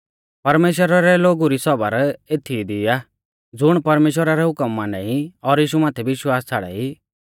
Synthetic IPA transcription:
pɐɾmeːʃ̬wəɾaɾɛloːɡuɾisɔbəɾeːt̪ʰid̪ia | d͡zʊɽ̃pɐɾmeːʃwəɾaɾɛɦʊkəmːãnaiɔɾjiːʃumaːt̪ʰɛbɪʃwaːst͡sʰaɽɛ̰i

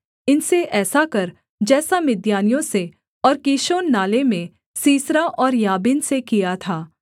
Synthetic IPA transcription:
ɪnseʔɛːsakɐɾ | d͡ʒɛːsamɪd̪jaːnijõse | ɔːɾkiːʃoːnːaːlemẽ | siːsɾaʔɔːɾjaːbiːnsekijat̪ʰaː

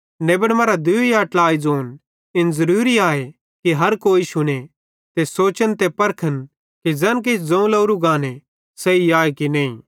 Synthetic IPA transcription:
neːbəɽmaɾad̪ʊijaːʈlaːid͡zoːn | ɪnzɐɾuːɾiaːe | kiɦɐɾkoːisʊne | t̪esoːt͡ʃənt̪epɐɾkʰən | kid͡zɛ̃ːnk̬et͡ʃʰd͡zɐ̃ũlɐːɾuɡãːne | sɐiaːekinẽːḭ̃

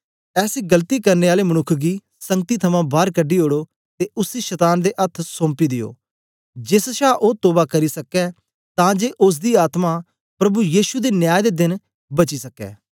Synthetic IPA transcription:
ɛːsiɡəlt̪ikɐɾneːaːlemɐnʊkʰːɡiː | sɐ̃ŋɡ̚t̪it̪ʰɐmãːbʱaːɾkəɖːioːɽoː | t̪eʊsiʃɛt̪aːnd̪eʔɐt̪ʰsõːmpid̪ɪjo̰ː | d͡ʒesʃaːʔoːt̪oːbakɐɾisɐkɛ | t̪ãːd͡ʒeːʔʊs̬d̪iːaːt̪ma | pɾɐbujiːʃud̪eːnjaːjd̪ed̪ɪn | bɐt͡ʃisɐkɛ̰ː

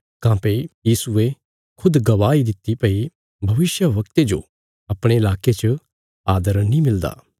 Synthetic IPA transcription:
kãːpejiːsʊe | kʰʊd̪ɡɐʋaːid̪ɪt̪ːipɐi | bʱɐʋɪsjəʋɐkt̪ed͡ʒo̰ | ɐpɽ̃eɪlaːket͡ʃ | aːd̪əɾnĩmɪld̪a̰ː

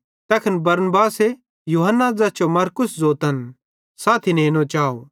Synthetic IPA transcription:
t̪ɛːkʰɪnbɐɾnbaːse | juːɦənːad͡zɐt͡ʃomɐɾkʊszoːt̪ən | saːt̪ʰineːnõt͡ʃaːo

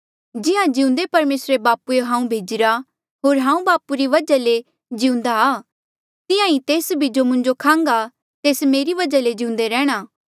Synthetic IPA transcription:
d͡ʒɪãd͡ʒɪũnd̪epɐɾmeːsɾebaːpueɦãːũbʱeːd͡ʒɪɾa | ɦoːɾɦãːũbaːpuɾiʋɐd͡ʒale | d͡ʒɪũnd̪aː | t̪ɪjãĩt̪eːsbʱid͡ʒomʊ̃ɲd͡ʒokʰãːŋɡa | t̪eːsmeːɾiʋɐd͡ʒaled͡ʒɪũnd̪eɾɛːɽ̃aː

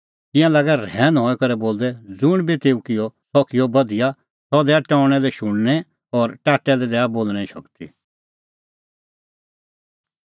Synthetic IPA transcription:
t̪ɪ̃jãlaːɡɛɾɛ̃ːnd̪ɦɔɛkɐɾɛboːld̪ɛd͡zʊɽ̃bit̪eːukɪjɔsɔkʰɪjɔbɐd̪ɪja | sɔd̪ɛːaʈɔːʊɽ̃ɛlɛʃʊɽ̃nɛ | ɔɾʈaːʈːɛlɛd̪ɛːaboːlñɛ̃ʃɐ̰kt̪ḭ

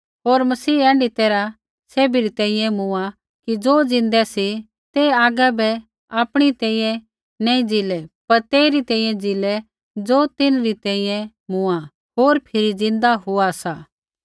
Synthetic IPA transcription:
ɦoːɾmɐsiːɛ̃ːɳɖit̪eːɾa | seːbiɾit̪ɛ̃ːĩjɛ̃mʊa | kid͡zoːd͡zɪ̃nd̪ɛsi | t̪eaːɡabɛ | aːpɽ̃it̪ɛ̃ːĩːjɛ̃ | nɛːĩd͡zɪlɛpɐɾt̪eːɾit̪ɛ̃ːĩjɛ̃d͡zɪlɛ | d͡zoːt̪ɪnɾit̪ɛ̃ːĩjɛ̃ | mʊ̃a | ɦoːɾpʰɪɾid͡zɪ̃nd̪aɦʊasa

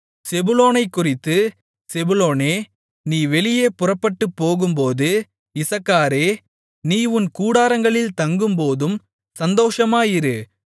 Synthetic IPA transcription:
sɛbʊloːnɐɪkːʊrɪt̪ːɯ | sɛbʊloːneː | niːʋɛlɪjeːpʊrɐpːɐʈːɯpːoːɣɯmpoːðɯ | ɪsɐkːaːɾeː | niːʊnkuːɽaːɾɐŋɡɐɭɪlt̪ɐŋɡɯmpoːðɯm | sɐnd̪oːʂɐmaːjɪɾɯ

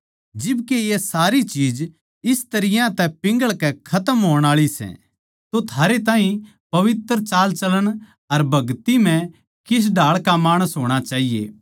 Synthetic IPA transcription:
d͡ʒɪbkejesaːɾit͡ʃiːd͡ʒ | ɪst̪ɐɾɪjãt̪ɛpɪ̃ŋɡəɭkɛkʰɐt̪əmɦoːəɽ̃aːɭisɛ̰̃ | t̪ot̪ʰaːɾet̪̬ãːɦĩ | pɐʋɪt̪ɾt͡ʃaːlt͡ʃɐləɽ̃ | ɐɾbʱɐɡt̪im̤ɛ̃ | kɪs̬ɖʱaːɭkamaːɽ̃əsɦoːɽ̃at͡ʃaːɦijḛː

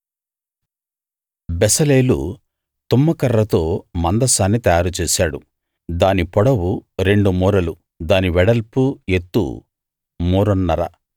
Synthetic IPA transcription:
besɐleːlṵ | t̪umːɐkɐɾːɐt̪o̞ːmɐnd̪ɐsaːnːit̪ɐjaːɾut͡ʃeːsaːɽu | d̪aːnipɔɽɐwuɾe̞ɳɖumuːɾɐlu | d̪aːniʋɛɽɐlpue̞t̪ːṵ | muːɾɔnːɐɾɐ̰

